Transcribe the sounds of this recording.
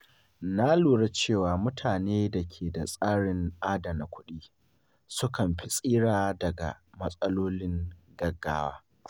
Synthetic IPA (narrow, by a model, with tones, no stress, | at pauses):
na˦luː˨ɽa˦t͡ʃeː˦˨waː˨mʊ˦tʰaː˨neː˦da˨kʲʰeː˨da˨sʼaː˦ɽɪ˨ŋʔaː˦da˨na˨kʷʊ˦ɗiː˦ | sʊ˦kɐ˨mɸi˦sʼiː˦ɽaː˨dɐ˨ɡa̰˨mɐ˦sʼɐ˦loː˦lɪ˦ŋɡɐ˨ɡːa̰ː˦waː˦